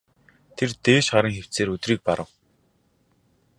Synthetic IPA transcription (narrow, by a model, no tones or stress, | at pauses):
t̪ʰert̪eːʃχaɾə̆ŋxew̥t͡seːɾɵt̪riːk̚paɾə̆w